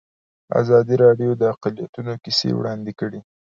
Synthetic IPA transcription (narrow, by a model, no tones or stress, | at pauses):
a̰zɑd̪iɾɑɖjod̪əaqalijat̪unokisḛwɽɑnd̪ekəɽi